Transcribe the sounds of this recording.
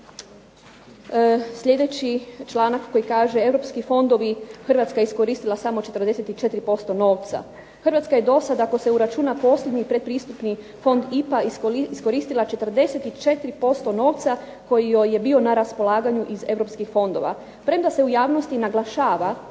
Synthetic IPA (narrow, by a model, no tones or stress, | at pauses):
sʎʲe̞d̪e̞t͡ɕit͡ʃlˠaːnakkːo̞jikaːʒeeʋɾo̞pskifo̞nd̪o̞ʋixr̩ʋat̪skajeisko̞ɾiːst̪ilˠasamo̞t͡ʃe̞t̪r̩d̪e̞set̪it͡ʃe̞t̪iɾipo̞st̪o̞no̞ːʋt̪sa̰ | xr̩ʋat̪skaje̞d̪o̞sad̪ako̞se̞uɾat͡ʃuːnapo̞ːsʎʲed̪ɲipɾe̞d̪̚pɾiːst̪upni | fo̞nd̪ipaissko̞ɾiːst̪ilˠat͡ʃe̞t̪r̩d̪e̞set̪it͡ʃe̞t̪iɾipo̞st̪o̞no̞ːʋt̪sa | ko̞jioje̞bio̞naɾaspo̞lˠaːɡaɲuʔize̞ʋɾo̞pskixfo̞nd̪o̞̰ʋa̰ | pɾe̞md̪ase̞ujaːʋno̞st̪inaɡlˠaʃaːʋa